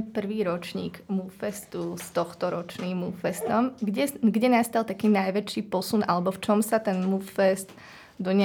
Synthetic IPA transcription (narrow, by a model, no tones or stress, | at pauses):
pr̩ʋiːɾɔt͡ʃɲḭːɡmufɛst̪ust̪ɔxt̪ɔɾɔt͡ʃniːmːuffɛst̪ɔmɡɟɛɡɟɛnast̪alˠt̪akiːnajʋɛt͡ʃiːpɔsunʔalɛbɔft͡ʃɔmsat̪ɛnmuffɛst̪ | d̪ɔɲ